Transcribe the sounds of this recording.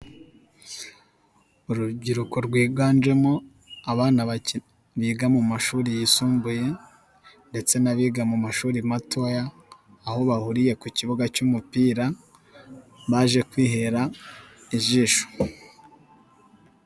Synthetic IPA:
uɾuɟiɾuko̞ɾɡwiːɡaːnd͡ʒe̞mo | aβaːnaβa | βiːɡamumaʃuːɾijisuːmbuje̞ | nde̞t͡se̞naβiːɡamumaʃuːɾimatʰo̞jaː | ho̞βahuɾije̞kuciβuɡacumupiːɾa | βaːʒe̞kwiːɦe̞ɾaiʒiːʃo̥

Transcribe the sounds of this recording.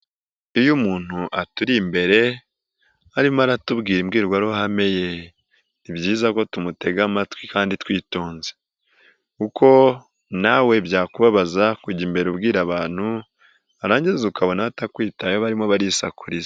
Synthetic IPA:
ijumuːn̥huʔatuɾimbe̞ɾe̞ | aɾimaɾatubɡiːɾimɡiːɾɡwaɾuɦame̞je | ibjiːzako̞tumuteɡamatwikaːnditwiːto̞ːnze | kukʰo̞ | nawe̞bjaːkuβaβazakuɟiːmbe̞ɾubɡiːɾaβaːn̥hu | aɾaːɲɟizukaβo̞naβatakwiːtajoβaɾimoβaɾisakuɾiz

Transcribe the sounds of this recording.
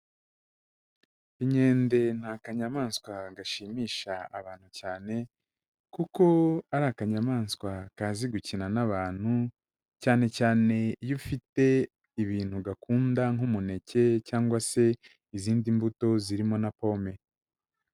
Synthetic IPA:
iɲe̞ːnde̞n̥haːkaɲamaːnskwaɡaʃiːmiːʃaaβaːn̥hucaːne̞ | kuko̞aɾakaɲamaːnskwakaːziɡucinanaβaːn̥hu | caːne̞caːne̞jufite̞ | iβiːnhuɡakuːndaŋumune̞ce̞caːŋɡwase̞ | iziːndimbuto̞ziɾimo̞napo̞ːme̞

